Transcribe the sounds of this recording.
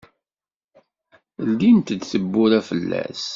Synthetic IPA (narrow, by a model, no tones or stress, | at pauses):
lːint̪d̪θəbːʊɾæfəlːæ̰s